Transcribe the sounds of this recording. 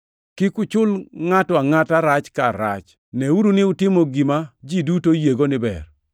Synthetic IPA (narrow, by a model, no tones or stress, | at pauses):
kɪkʊt͡ʃʊlŋatɔaŋataɾat͡ʃkaɾa̰t͡ʃ | nɛuɾunɪʊtɪmoɡimad͡ʒidutojeɡonɪbɛ̰r